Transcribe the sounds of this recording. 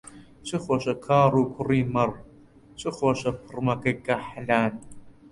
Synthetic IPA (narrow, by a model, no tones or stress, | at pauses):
ɕɨχʷɐɕɐkʰaːruːkʷʰʊriːmɐr | ɕʼɨχʷɐɕɐpʰɨrmɐkʼɐkʼɐħɮaːn